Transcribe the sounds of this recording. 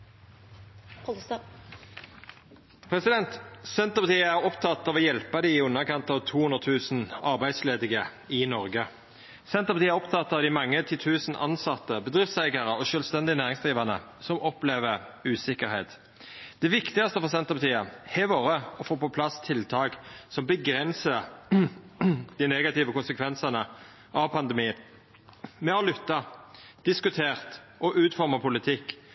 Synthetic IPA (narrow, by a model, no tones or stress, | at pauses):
pʰʁɛsɪd̪ɛnt̪sɛnt̪əʁpɑt̪iːəæːɾɔpt̪ʰɑt̪ːɑʋɔjɛlpɑd̪ɪɪʉnːəkɑnt̪ɑʋt̪ʰuːhʉnd̪ʁət̪ʰʉːsn̩ɑʁbæɪd̪sleːd̪ɪɡə | ɪnɔʁɡə | sɛnt̪əpɑt̪iːəæʁɔpt̪ʰɑt̪ːɑːʋd̪ɪmɑŋːət̪ʰɪt̪ʰʉːsn̩ʔɑ̰nsɑt̪ːəbəd̪ʁɪft̪sæɪɡəʁəɔʃœːlst̪ɛnd̪ɪənæːʁɪŋsd̪ʁiːʋɑnə̰ | sɔmʔɔpleːʋəʉːsɪkəɾhɛːt̪ | d̪̥ɛʋɪkt̪ɪɡɑst̪əfɔʁsɛnt̪əpʰɑt̪ʰiːəhɛʋoːʁəɔfoːpɔpʰlɑst̪ʰɪlt̪ʰɑːɡsɔmbəɡɾɛnsə | d̪̥ɪnɛɡɑt̪iːʋəkʊnsəkʰʋɛnsənə | ʔɑʋpʰɑnd̪ɛmiːn | mɛhɑlʏt̪ːɑd̪̥ɪskʉt̪ʰeːʁt̪ʔɔʔʉːt̪fɔʁmɑpʰʊlɪt̪ʰɪkː